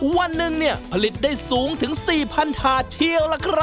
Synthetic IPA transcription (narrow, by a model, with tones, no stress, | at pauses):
wa˧nːɯ˨˩ŋni˥˩ɐpʰa˧li˨˩t̪̚daː˥˩jsuː˨˦˥ŋt̪ʰɯ˩˦ŋsiː˨˩pʰa˧nt̪ʰaː˨˧t̪ʰi˧ə˧wla˧kʰɾa˦˥